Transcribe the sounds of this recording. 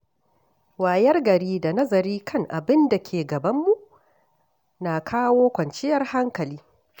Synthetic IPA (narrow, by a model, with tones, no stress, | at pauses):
waː˨jɐ˦rɡɐ˨ɾiː˦da˨nɐ˦zɐ˨ɾiː˦kʰɐ˦ŋʔa˨bɪ˦nda˨kʲʰeː˨ɡɐ˨bɐ˦mːu˨ʔ | naː˨kʰaː˦woː˦kʷɐ˨nt͡ʃɪ˦jɐ˦rha˦ŋkɐ˨liː˦